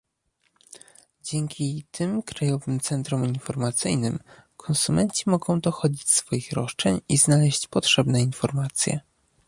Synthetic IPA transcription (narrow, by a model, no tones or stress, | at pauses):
d͡ʑɛŋkʲit̪ʰɘmkɾajɔvɘmt̪sɛnt̪ɾuminfɔɾmat̪sɘjnɘmkʰɔnsumɛnt͡ɕimɔɡɔ̃w̃d̪ɔxɔd͡ʑit͡ɕsfɔjixɾɔʂt͡ʂɛɲiznalɛɕt͡ɕpɔtʂɛbnɛinfɔɾmat̪sʲjɛ̰